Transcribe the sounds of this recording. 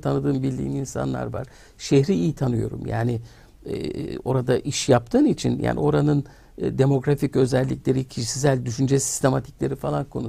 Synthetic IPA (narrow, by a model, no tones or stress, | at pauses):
t̪ʰanɯd̪ɯːnbillʲḭːniinsa̰nlˠa̰ɾva̰ɾ̥ | ʃeçɾiijit̪ʰanɯjo̞̰ɾṵmja̰ːnḭ | o̞ɾad̪aʔiʃjap̚t̪ʰɯːnit͡ʃʰinjʔa̰ːnḭo̞ɾanɯn | d̪e̞mo̞ɡɾaficø̞zɛlʲːicʲlʲe̞ɾicʰiʃsis̬ælʲd̪yʃynd͡ʒɛsi̥st̪ʰe̞mat̪ʰi̥clʲe̞ɾifalˠankʰo̞nu